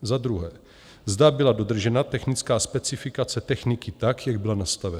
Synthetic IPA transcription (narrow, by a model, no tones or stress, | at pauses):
zad̪ɾuɦɛː | zdabɪlado̞d̪r̩ʒɛnat̪ɛxnɪt͡skaːspɛt͡sɪfɪkat͡sɛt̪ɛxnɪkɪt̪akjaɡ̚bɪlanast̪avɛna